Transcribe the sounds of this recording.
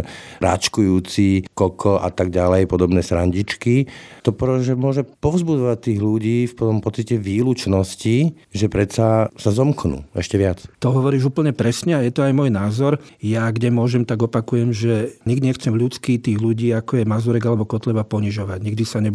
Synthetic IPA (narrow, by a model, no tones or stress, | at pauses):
ɾa̰t͡ʃkujuːt͡sikɔkʰɔʔa̰t̪aɡɟalɛjpɔd̪ɔbnɛːsɾaɲɟit͡ʃkit̪ɔpɾɔʒɛmʊɔʒɛpɔvzbud͡zɔʋac̚t̪ːiːɣluɟiːfpɔɔmpɔt͡sicɛʋiːlut͡ʃnɔsci | ʒɛpɾɛtt͡sasazɔmknṵːɛʃcɛʋɪat͡st̪ɔɦɔʋɔɾiːʒuːpl̩ɲɛpɾɛsɲɛajɛt̪ɔajmɔjnaːzɔɾjaɡɟɛmʊɔʒɛmt̪aɡɔpakujɛmʒɛɲiɡd̪iɲɛxt͡sɛmʎut͡skit̪iːɣluɟiːakɔjɛmazuɾɛɡalɛbɔkɔt̪lɛbapɔɲiʒɔʋaɟɲiɡ̚d̪isaɲɛ